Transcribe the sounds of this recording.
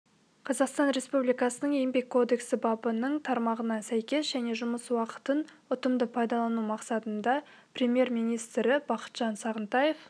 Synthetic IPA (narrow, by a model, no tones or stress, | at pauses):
qʰɑzɑqst̪ɑnɾe̞spublijkɑsənəɴembe̞kʲʰːo̞d̪e̞ksɪbɑbənəɴt̪ʰɑɾmɑʁənɑsæjkʲe̞sʒæne̞ʒʊməswɑqə̥t̪ən | ʊt̪əmd̪əpʰɑjd̪ɑlˠɑnumɑqsɑt̪ənd̪ɑ | prʲe̞mje̞ɾmijnijst̪ɾɪbɑqə̥t̪ʒ̥ɑnsɑʁənt̪ɑje̞f